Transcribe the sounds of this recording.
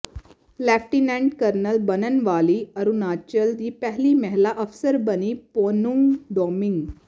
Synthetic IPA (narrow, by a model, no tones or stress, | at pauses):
lɛfʈinæ̃ɳɖkəɾnəlbənənʋaliəɾunat͡ɕəld̪iːpɛɦliːməɦlaʔəfsəɾbəniːponuŋɡɖɔmiŋɡ